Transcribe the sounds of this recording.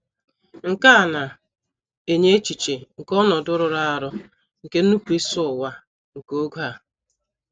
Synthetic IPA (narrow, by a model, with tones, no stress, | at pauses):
ŋ̩˨ka˦˨na˨ | e˨ɲe˦t͡ʃi˨t͡ʃe˨ŋ̩˨kɔ˦nɔ˨dʊ˦ɾʊ˨ɾa˦a˨ɾʊ˦ | ŋ̩˨ke˦n̩˦u˦kʷi˦sʊ˦˨wa˦ | ŋ̩˨ko˦ɡu˦a˨